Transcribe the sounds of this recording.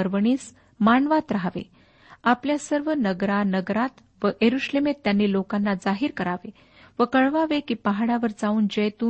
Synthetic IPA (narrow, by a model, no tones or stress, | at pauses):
əɾʋəɳiːs | maɳʋat̪ɾaɦʋḛ | apljasəɾʋənəɡɾanəɡɾat̪ | ʋəʔjeɾuɕlemet̪ːjanːiːlokanːad͡zaɦiːɾkəɾaʋe | ʋəkəɭʋaʋekiːpaɦaɽaʋəɾd͡zauːnd͡ʑəjt̪uː